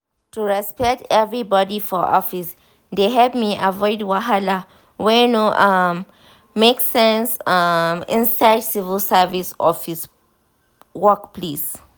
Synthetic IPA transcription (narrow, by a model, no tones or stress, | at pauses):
tuɹɛspɛk̚tɛvɹibɔdifɔʔɔfis | d̪eɦɛlp̚miʔavɔɪdwaɦala | wɛnoʔamː | eksɛ̃nsʌmɪ̰̃nsaɪdsivəlsɛvisɔ̰fis | wɔkpʰles